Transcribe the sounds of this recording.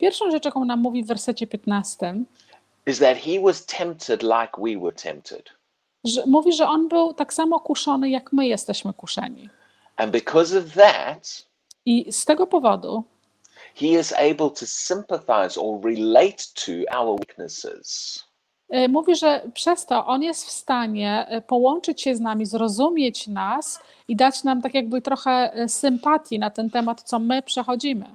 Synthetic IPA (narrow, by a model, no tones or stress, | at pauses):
pʲjɛɾfʂɔ̃w̃ʐɛt͡ʂɔkɔ̃w̃namːuvʲivːɛɾsɛt͡ɕɛpʲjɛt̪nast̪ɘm | ɨzðɨt̚hiwʌz̥tʰɛ̃mp̚tʰɨdˡlaɪkwiwə˞tʰɛ̰̃mp̚tʰɪ̰d̥ | muvʲiʐɛʔɔnbɘwt̪aksamɔkuʂɔnɘjakmɘjɛst̪ɛɕmɘkuʂɛ̰ɲḭ | ʔɨ̃nbɨkʰʌzʌvðæ̰t | ist̪ɛɡɔpɔvɔd̪u | hiɪzḛɪbəlˠtʰəsɪ̃mpəθa̰ɪzə̰ɹɪleɪtʰə̰a̰ʊə˞wik̚nə̰sɪ̰z̥ | muvʲiʐɛpʂɛst̪ɔʔɔnjɛst̪fst̪aɲɛpɔwɔnt͡ʂɘt͡ɕɕɛznamʲizɾɔzumʲjet͡ɕnas | id̪at͡ɕnamt̪akʲjaɡ̚bɘt̪ɾɔxɛsɘmpat̪ʲjinat̪ɛnt̪ɛmat̪t̪sɔmɘpʂɛxɔd͡ʑimɘ̰